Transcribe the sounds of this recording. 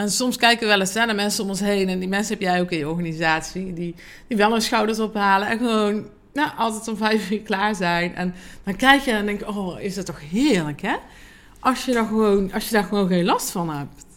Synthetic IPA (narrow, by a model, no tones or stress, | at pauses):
ɛnsɔmskɛjkəʋəʋɛləsɛnamɛnsənʊmɔnsɦejnɛndimɛnsəɦɛpjɛjowkɪ̃njəɔɹɣaːnizaːtsidi | d̥iʋɛlˠənsxɑwdəɹsɔpɦaːləɛnxəʋown | jaʔɑlˠtɛtɔmvɛjfɪːklaːɹzɛjnʔɛ̰nd̥ɑnkɛjkjəɛndɛŋkjəoːɪsdɑtːɔxɦɪːɹləkɦɛ | ʔɑsjədɔxəʋownʔɑsjədaːɹɣəʋownɣenlɑstfɑnɦɛp̚t